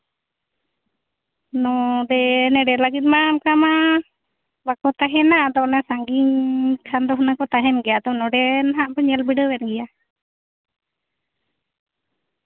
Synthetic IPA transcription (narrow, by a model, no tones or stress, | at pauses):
nɔdɛnɛɖɛlaɡit̪̚ˀmamkama | bakɔt̪aɦɛnaʔd̪ɔnɛsaŋɡiɲkʰand̪ɔɦnakɔt̪aɦɛnɡɛjad̪ɔnɔɖɛnaɦaʔbɔɲɛlbiɖəwɛnɡɛja